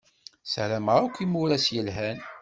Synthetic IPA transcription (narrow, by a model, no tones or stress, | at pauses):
sɾæməʁakʷːimʊɾæsjəlɦæn